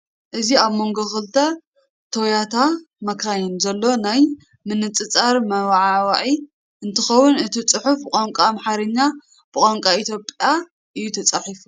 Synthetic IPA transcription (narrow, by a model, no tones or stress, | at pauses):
ʔɨziaβmo̞ŋɡoxɨlt̪ʰɐ | t̪ʰowjat̪ʰa | mɐkʰajɛnzɐlːo̞naj | mɨnɨt͡sʼɨt͡sʼaɾmɐwaʕawaʕi | ʔɨnt̪ʰɨxɐwʊnɨt̪ʰit͡sʼɨħufkʼaŋkʷʼamħaɾɨɲːa | b̥ɨkʼaŋkʼait̪ʰjo̞pʼja | ʔɨjut̪ʰɐt͡sʼaħifu